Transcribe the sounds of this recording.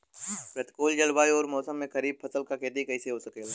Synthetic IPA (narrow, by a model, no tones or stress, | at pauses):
pɾɐt̪koːld͡ʒɐlbaːiɔːɾmɔːsəmːẽkɐɾiːb̚pʰɐsəlkakeːd̪ikɐiseɦosɐkeː